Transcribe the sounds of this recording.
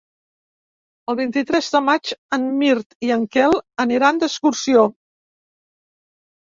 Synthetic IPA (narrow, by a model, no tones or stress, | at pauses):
əlˠβ̞int̪it̪ɾɛzðəmad͡ʒənmiɾt̪iəŋkɛlˠəniɾand̪əskuɾsio